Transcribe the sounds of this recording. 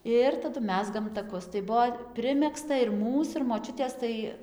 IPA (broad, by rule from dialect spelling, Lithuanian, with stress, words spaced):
ˈɪr tɐˈdʊ ˈmʲæːzɡɐm tɐˈkʊs tɐɪ ˈbuɔ ˈpʲrʲɪmʲɛkstɐ ɪr ˈmuːs ɪr moːˈt͡ʃʲʊtʲeːs ˈtɐɪ